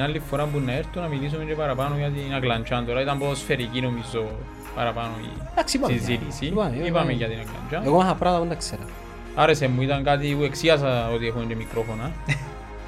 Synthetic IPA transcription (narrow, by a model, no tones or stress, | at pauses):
nalːifːoɾambunːaeɾt̪unamilis̬umend͡ʒepaɾapanojat̪̬inaklant͡ʃant̪oɾait̪amboðosfeɾikinomizo | pa̰ɾapanoḭaksipazilisiaipamijat̪inakla̰nt͡ʃanekomaɦapɾaðaund̪akseɾa | aɾesemːuit̪aŋkat̪̬iueksias̬aot̪iexumed͡ʒemikɾofona